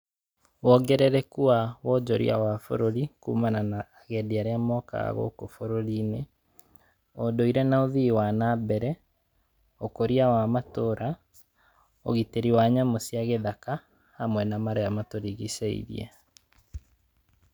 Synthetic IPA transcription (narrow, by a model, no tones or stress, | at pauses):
wɔɡɛɾɛɾɛkuawɔd͡ʒɔɾḭa̰wafo̰ɾoɾikuːmananaːɣɛdiaɾeamɔka̰ɣa̰ɣo̰kofoɾoɾiːne | odoiɾɛnaoðiwanabɛɾɛ | okoɾiawamatoɾa | o̰ɣiteɾiwaɲamosjaɣeðaka | hamwɛnamaɾeamatoɾiɣiseḭɾḭɛ̰